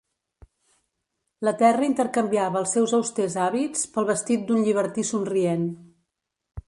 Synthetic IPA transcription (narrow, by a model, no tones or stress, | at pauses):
lət̪ɛrəint̪əɾkəmbiaβəːlˠsːɛwzəwst̪ezaβit͡spəlˠβəst̪it̪̚d̪unʎiβ̞əɾt̪isunrien